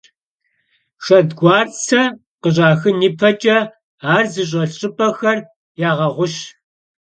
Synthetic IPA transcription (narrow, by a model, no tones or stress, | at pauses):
ʂɐdɡʷɑːrt͡sʰɐ | qəɕʼaːxɨniːpʰɐt͡ʃʼɐ | aːrzɨɕ̬ʼɐɬɕʼɪpʼɐxɐr | jaːʁɐʁʷʊɕ